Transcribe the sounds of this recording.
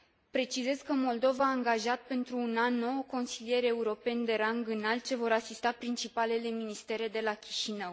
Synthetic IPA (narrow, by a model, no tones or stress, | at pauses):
pɾe̞t͡ʃize̞zkəmo̞ld̪o̞vaːŋɡaʒat̪̚pe̞nt̪ɾuːnanːo̞wko̞nsilije̞ɾe̞uɾo̞pe̞nd̪e̞ɾaŋɡɨnal̚t͡ʃe̞vo̞ɾasist̪apɾint͡ʃipale̞le̞minist̪e̞ɾe̞d̪e̞lakʲi̥ʃinəw